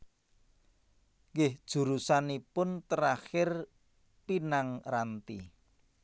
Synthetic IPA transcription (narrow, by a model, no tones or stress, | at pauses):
ŋɡɪhd̥ʒ̥ṳɾusanipʊnt̪əɾaxɪr | pinaŋrant̪i